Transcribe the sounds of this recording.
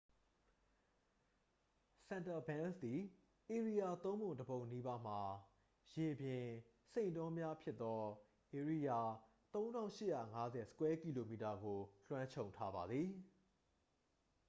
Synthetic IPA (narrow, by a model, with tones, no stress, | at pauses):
sɛ̃˨nta˨bã˦nsd̪i˨ | ʔe˨ɹi˨ja˨t̪õ˦ʊ̃mbʊ̃˨ndəbõ˨ʊ̃nːi˦ba˦m̥a˨ | je˨bjɪ̃˨ | sẽ˦˨ɪ̃ntɔ̃˦mja˦pʰjɪ˦t̪ːɔ˦ | ʔe˨ɹi˦˨ja˨t̪õ˦ʊ̃ndã˦ʊ̃ʃɪ˦ʔja̰˦˨ŋa˦zɛ˨sə̥˦kwɛ˦ki˨lo˨mi˨ta˨ɡo˨ɬwã˦ɲt͡ɕʰõ˨ʊ̃ntʰa˦ba˨d̪ði˨